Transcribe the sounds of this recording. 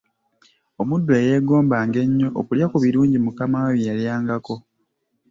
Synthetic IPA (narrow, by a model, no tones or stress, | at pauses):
omudːweːje̞ːɡo̞ːmbaːŋɡe̞ɲːo̞ʔo̰kuljakuβiɾuːɲɟimukamawajijaljaːŋɡako̞